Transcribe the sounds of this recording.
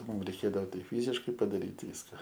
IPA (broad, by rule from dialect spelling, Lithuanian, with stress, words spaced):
ˈmʊm rʲɛɪˈkʲeːdɐoː ˈtɐɪ ˈfʲiːzʲɪʃkɐɪ pɐdɐˈrʲiːt ˈʋʲiːskɐ